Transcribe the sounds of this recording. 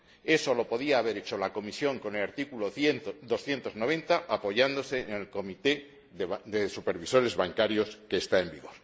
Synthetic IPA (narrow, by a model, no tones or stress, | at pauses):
e̞so̞lo̞po̞ðiaːβ̞e̞ɾet͡ʃo̞lako̞misjoŋko̞nelaɾt̪ikuloθenod̪o̞sθje̞nt̪o̞zno̞β̞e̞nt̪aʔapo̞ʝand̪o̞se̞nelko̞mit̪e̞ | ðesupe̞ɾβiso̞ɾe̞zβaŋkaɾjo̞ske̞ːst̪aembiɣ̞o̞ɾ